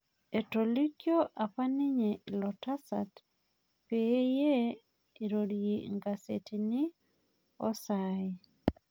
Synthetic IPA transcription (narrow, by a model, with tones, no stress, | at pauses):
e˨toli˦kjo˦ʔa˨pa˦nɪ˦ɲe˨lɔ˨ta˦sa̰t | pee˦je˦ | e˨ɾodjeŋɡasḛ˨tinɪ˦ | ɔ̰˦saɪ